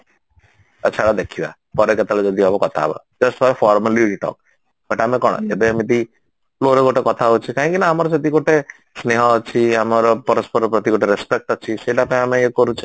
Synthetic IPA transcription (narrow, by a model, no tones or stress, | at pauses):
ə̰t͡ʃʰaɽad̪ekʰiba̰ | pɔɾeket̪aled͡ʒɔd̪ʱiabɔkɔt̪ʰa̰ba̰ | d͡ʒəsʈfaɾfʰɔɾmaliɾiʈɔ̰k̚ | bəʈamekɔɽ̃ɔ̰ebeamit̪i | ploɾeɡoʈekɔt̪ʰaɦot͡ʃʰikaɦĩkinaːmɔɾɔset̪ikoʈe | sneɦɔːt͡ʃʰiamɔɾɔpɔɾɔspɔɾɔpɾɔt̪ikoʈeɾespek̚ʈɔt͡ʃʰiseʈapãẽameekɔɾut͡ʃʰi